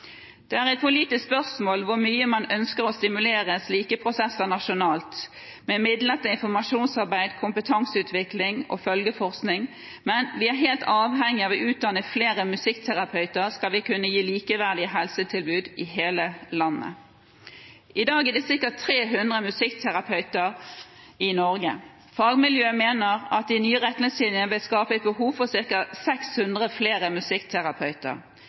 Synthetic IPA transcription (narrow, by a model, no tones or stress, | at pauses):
d̪̥ɛæːʁɛɪt̪̚pʰʊliːt̪ɪsspœʁsmoːlʋʊɾmyːəmɑnœnskəʁɔst̪ɪmʉleːʁəsliːkəpʰʁʊsɛsːənɑʃʊnɑːlt̪ | mɛmɪd̪lət̪əɪnfɔɾmɑʂuːnsɑʁbæɪd̪kʰʊmpət̪ʰɑŋsəʉːt̪ʰʋɪklɪŋʔɔ̰fœlɡəfɔʁsknɪŋ | mɛnʋɪæʁɦeːlt̪ɑːʋɦɛŋːɪɑːʋɔʔʉːt̪̚d̪ɑnəfleːɾəmʉsɪkt̪ʰæʁɑpʰœʏt̪əɾskɑlʋɪkʰʉnːəjiːliːkəʋæʁd̪ɪəɦɛlsət̪ʰɪlbʉːd̪ɪɦeːləlɑnːə̰ | ʔɪd̪ɑːɡæd̪ɛsɪʁkət̪ʰːʁeːɦʉnd̪ʁəmʉsɪkt̪ʰæʁɑpʰœʉt̪əɾɪnɔɾɡə̰ | fɑːɡmɪljøːmeːnəʁɑt̪̚ɪnyːəʁɛt̪lɪsliːnənʋɪlskɑːpəɛt̪̚bəɦuːʋfɔsɪʁkɑsɛkshʉnd̪ʁəfleːʁəmʉsɪkt̪ʰæʁɑpʰœʉt̪ə̰ʁ